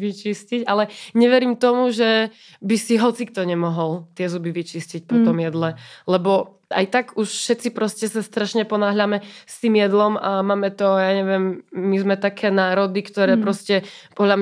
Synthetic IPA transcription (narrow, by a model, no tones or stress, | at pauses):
it͡ʃiscicalɛɲɛʋɛɾimt̪ɔmuʒɛ | bisiɦɔt͡sikt̪ɔɲɛmɔɦɔlt̪ɪɛzubiʋit͡ʃiscic̚pɔt̪ɔmjɛd̪lɛlɛbɔ | a̰jt̪aɡuʃfʃɛtt͡sipɾɔscɛsast̪ɾaʃɲɛpɔnaːɦʎamɛst̪iːmjɛd̪lɔmamaːmɛt̪ɔjaːɲɛʋɪɛmːizmɛt̪akʰɛːnaːɾɔd̪ikt̪ɔɾɛːpɾɔscɛpɔɦʎam